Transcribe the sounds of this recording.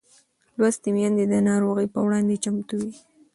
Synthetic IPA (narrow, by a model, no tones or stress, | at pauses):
lwast̪emjɑnd̪ed̪ənɑɾoɣəjpəwɽɑnd̪et͡ʃamt̪uwi